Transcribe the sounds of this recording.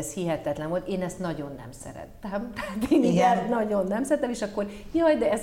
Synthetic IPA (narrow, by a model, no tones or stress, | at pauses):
ɛshiɦɛt̪ɛt̪lɛnvolt̪eːnɛst̪nɒɟo̞nːɛ̰msɛ̰ɾɛ̰t̪ːɛmt̪ɛaːt̪eːniɡɛnɒɟo̞nːɛmsɛɾɛt̪ːɛmeːʃɒkːo̞r | jɒjd̪ɛɛz